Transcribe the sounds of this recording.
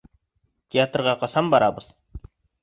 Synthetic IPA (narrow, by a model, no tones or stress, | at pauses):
t̪ʲeat̪rʁɑqɑsɑmbɑɾɑbəð̥